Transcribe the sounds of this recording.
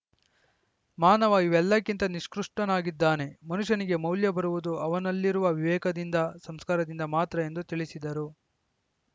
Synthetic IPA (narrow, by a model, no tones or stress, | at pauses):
maːnɐʋaːjiʋɛlːɐkːint̪ɐniʂkɾuʂʈɐnaːɡid̪ːaːne̞mɐnuʂɐniɡe̞mɐwljɐbɐɾuʋud̪uɐʋɐnɐlːiɾuʋɐʋiʋɛːkɐd̪ind̪ɐsɐmskaːɾɐd̪ind̪ɐmaːt̪ɾɐe̞nd̪ut̪iɭisid̪ɐɾu